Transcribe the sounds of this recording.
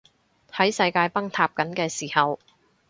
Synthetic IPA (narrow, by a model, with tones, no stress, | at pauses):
hɐ˨˥jsɐ˧jkaː˧jpɐ˥ŋt̪ʰaː˧p̚kɐ˨˥nkɛː˧siː˨˩hɐ˨w